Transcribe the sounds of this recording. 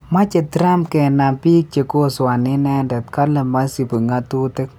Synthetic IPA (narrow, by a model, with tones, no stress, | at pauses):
ma˦t͡ʃɛ˨t̪ɾa˦mkɛ˨na˨pi˦k̚t͡ʃe˧ko˦swa˨ni˦nɛ˧ndɛ˨t̪ka˦la˨ma˦si˨pə˨ŋa˧t̪u˦t̪e˦k̚